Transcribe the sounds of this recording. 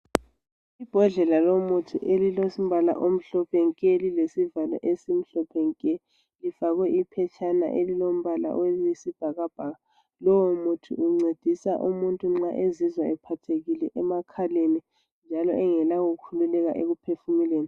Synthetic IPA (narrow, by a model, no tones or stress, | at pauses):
ib̥ʱɔɮɛlalomutʰṵʔelilosim̩bala̰ʔom̩ɬɔpʰɛŋkʼelilesivala̰ʔesim̩ɬɔpʰɛŋkʼɛ | lifaɣwɛipʰɛt͡ʃʼʰana̰ʔelilom̩βala̰ʔwewesib̥ʱaɣab̥ʱaɣa | lɔwomutʰṵuŋ͡ǀed̥ʱisa̰ʔumuntʼuŋ͡ǁaʔezizwaɛpʰatʰeɣilɛʔɛmakʰaleni | nd͡ʒʱalɔʔɛŋɛlaɣoɣukʰululɛɣaʔeɣupʰefumileːni